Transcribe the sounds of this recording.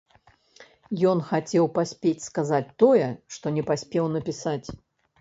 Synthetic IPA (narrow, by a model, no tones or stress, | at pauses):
jɔnxat͡sʲɛwpasʲpʲet͡sʲskazat͡sʲt̪ɔjɛʂt̪ɔnʲɛpasʲpʲɛwn̪ɐpʲisat͡sʲ